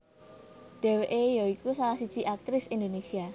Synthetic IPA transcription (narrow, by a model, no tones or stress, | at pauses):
ɖ̥ɛ̤weʔejɔikusalahsid̥t͡ʃiʔak̚t̪ɾɪsind̪onesia